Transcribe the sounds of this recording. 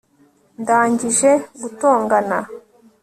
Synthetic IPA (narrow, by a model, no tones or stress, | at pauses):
ndaːɲɟiʒe̞ɡuto̞ːŋɡana̰